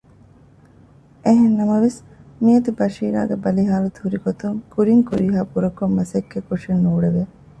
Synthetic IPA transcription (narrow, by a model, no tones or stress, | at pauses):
eɦenːɐmɐʋes | miɐt̪ibɐʃiːɾa̰ːɡebɐliɦaːlut̪uhuɾiɡot̪uŋkuɾiŋkuɾiɦaːpuɾɐkomːɐsekːekuʂinːuːɽeʋe